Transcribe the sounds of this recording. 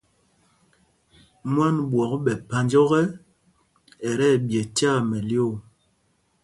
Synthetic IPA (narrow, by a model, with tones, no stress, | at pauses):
mwa˦nbwɔ˨kɓɛ˨pa˨nd͡ʒɔ˦ɣɛ˦ | ɛ˨ɾɛ˦˨bjɛ˨tja˦˨mɛ˨ljo˦˨